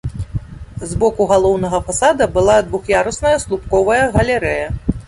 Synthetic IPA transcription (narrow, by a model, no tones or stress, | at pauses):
zbɔkuɣalˠɔwnɐɣɐfasad̪ɐbɨlˠad̪vuxjaɾɐsnɐjɐslˠupkɔvɐjɐɣɐlʲɛɾɛjɐ